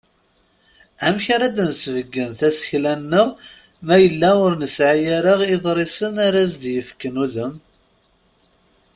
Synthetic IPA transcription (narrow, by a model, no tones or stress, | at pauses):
æmçaɾad̪nsvəɡːənθæsə̥çlænːə | mæjəlːæʊɾnəsʕajaɾəʁeðˤɾˤisənaɾæzd̪jəfkːənuðəm